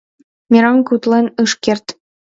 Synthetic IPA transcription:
mʲeɾɑŋkut̪lenɯʃkert̪

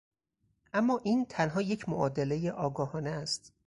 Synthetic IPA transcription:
ʔæmːɒːʔiːnt̪ʰænɦɒːje̞cʰmoʔɒːd̪ele̞jeʔɒːɡɒːhɒːneæst̪

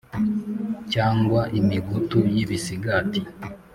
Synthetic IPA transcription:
caːŋɡwaʔimiɡutujiβisiɡati

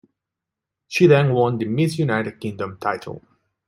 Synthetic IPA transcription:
ʃiðɛ̃nwɔ̃nd̪əmɪsjunaɪɾɨd̚kɪ̃ŋdə̃mtʰaɪtʰə̰l̩ˠ

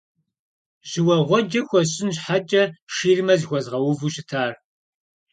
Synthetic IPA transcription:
ʑ̥ɪwɐʁʷɔd͡ʒɐxʷɔɕʼɪnɕħat͡ʃʼɐʂiːrmɐzxʷɔzʁɐwʊvuɕʼɪtʰaːr

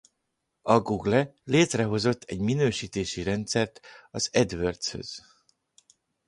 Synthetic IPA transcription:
ɒɡuɡlɛleːt̪rɛɦo̞zo̞t̪ʰːɛɟminøːʃiːt̪eːʃiɾɛnt̪sɛrt̪ɒzɛd̪ʋørt̪shø̞̰z̥

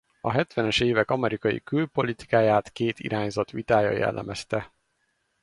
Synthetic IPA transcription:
ɒɦɛt̪ʋɛnɛʃeːvɛkɒmɛɾikɒjḭkylpo̞lit̪i̥kaːjaːt̪keːt̪ḭɾʔaːɲzɒt̪ʋit̪aːjɒ̰jɛ̰lːɛ̰mɛst̪ɛ

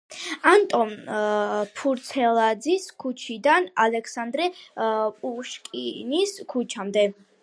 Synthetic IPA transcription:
ant̪ʼɔn | pʰuɾt̪sʰɛlˠad̪ziskʰut͡ʃʰid̪analɛkʰsand̪ɾɛpʼuʃkʼiniskʰut͡ʃʰamd̪ɛ

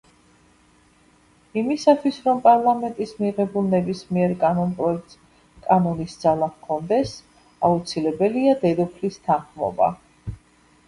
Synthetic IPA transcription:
imisat̪ʰwisɾɔmpʼaɾlˠamɛnt̪ʼismiʁɛbulˠnɛbismiɛɾkʼanɔnpʼɾɔɛk̪ | kʼanɔnisd̪z̥alˠakʰɔnd̪ɛs | aut̪sʰilɛbɛliad̪ɛd̪ɔpʰlist̪ʰanχmɔ̰ba̰

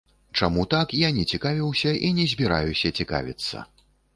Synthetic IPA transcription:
t͡ʂamut̪akjanʲɛt͡sʲikavʲiwsʲɐʔinʲɛzʲbʲiɾa̰jusʲɐt͡sʲika̰vʲit̪sːɐ̰

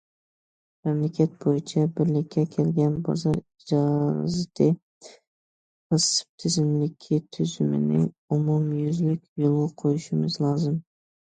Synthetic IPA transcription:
mæmlɪkʲʰɛt̪̚bojit͡ʃʰɛbɪɾlɪkʲʰːɛkʲʰelɡʲɛnbɑ̰zɑɾid͡ʒɑzɪt̪ʰɪ | qɨsɨ̥p̚t̪ʰɪzɪmlɪkʲʰit̪ʰyz̥ymɪ̰nɪ̰ | umumjyzlɪkʲjolˠʊqʰojuʃɪmɪzlˠɑːzɨm

